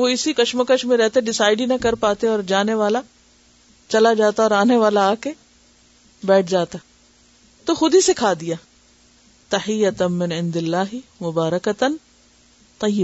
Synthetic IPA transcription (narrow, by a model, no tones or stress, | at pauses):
ʋoɪsikɐʃməkəʃmẽɾɛɦt̪eɖɪsaːɪɖinɐkɐɾpaːt̪eɔːɾd͡ʒaːneʋaːla | t͡ʃɐlad͡ʒaːt̪aɔːɾaːneʋaːlaːke | bɛːʈʰd͡ʒaːt̪a | t̪oxʊd̪isɪkʰaːd̪ijaː | t̪ɐħɪjːɐt̪mɪnɪ̃nd̪ɪlːaːɦɪmʊbaːɾɐkɐt̪n | t̪ˤɐjɪ